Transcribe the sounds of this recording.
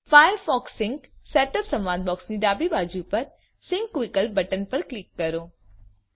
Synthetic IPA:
faːjəɾfɔːksːɪ̃ŋksɛːʈəpsɐ̃mʋãːd̪̚bɔːksniːɖaːbibaːd͡ʒuːpɐɾ | sɪ̃ŋkːwɪkəlbɐʈənpɐɾklɪkːɐɾoː

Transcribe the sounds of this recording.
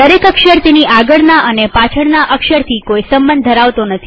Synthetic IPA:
d̪əɾekəkʃəɾt̪eniʔaɡəɽnaʔənepat͡ʃʰəɽnaʔəkʃəɾt̪ʰikoisəmbənd̪ʱəɾaʋt̪onət̪ʰi

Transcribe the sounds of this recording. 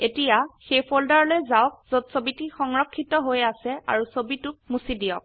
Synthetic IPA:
etijaxejpʰoldaɹlojzaɔk̚z̥otsobitixɔŋɹɔkʰːitɔɦojasɛa̰ɹusobitʊkmusidijɔk̚

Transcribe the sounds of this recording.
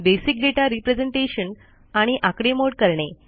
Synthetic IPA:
besik̚ɡeʈaɾipɾed͡zeɳʈeɕən | aɽ̃iʔakɽemoɽkəɾɳe

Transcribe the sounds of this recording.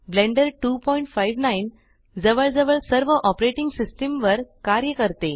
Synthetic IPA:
blẽɳɖəɾʈuːpɔiɳʈfaiʋnain | d͡zəʋəɭd͡zəʋəɭsəɾʋəʔɔpɾeʈiŋɡsisʈəmʋəɾkaɾjəkəɾt̪e

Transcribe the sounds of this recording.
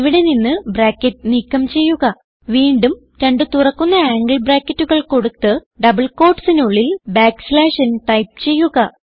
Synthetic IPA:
iʋiɽe̞ninːɨbraːkːɐtːnikːɐmt͡ɕe̞jːuɣɐ | ʋiːɳɖum | ɾe̞ɳɖɨt̪urɐkːunːɐaːŋɡɐɭbraːkːɐtːuɣɐɭko̞ɽut̪ːɨ | ɖɐbɐɭko̞ːrʈsinuɭːilbaːksleːʂɐnʈɐjp̚t͡ɕe̞jːuɣɐ

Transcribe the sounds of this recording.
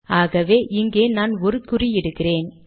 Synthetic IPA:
aːɣɐʋeːʔɪŋɡeːnaːnɔɾɯkːʊrijɪɽɯkːɪreːn

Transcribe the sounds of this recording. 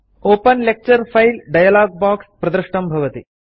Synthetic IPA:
oːpɐnlek̚t͡ɕɐɾfɐjlɖɐjɐlaːɡ̚baːksprɐd̪ɾɨʂʈɐmbʱɐʋɐt̪i

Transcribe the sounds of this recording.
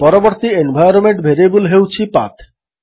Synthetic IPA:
pɔɾoboɾt̪ienbʱajoɾomeɳʈbʱeɾebulɦewt͡ɕʰipa̰t̪ʰ

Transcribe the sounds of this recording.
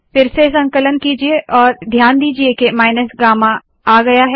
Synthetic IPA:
fɪɾsesɐ̃ŋkələnkiːd͡ʒieʔɔːɾd̪ʱjaːnd̪iːd͡ʒiekemaːɪnəsɡaːmã | aːɡɐjaɦɛ

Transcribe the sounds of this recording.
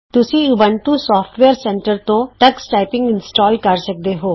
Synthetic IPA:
t̪ʊsĩːʊbəɳʈuːsɔːpʰʈʋeːɾsɛ̃ɳʈəɾt̪õːʈəksʈaːɪpɪ̃ŋɡɪnsʈɔːlkəɾsək̚d̪eːɦoː

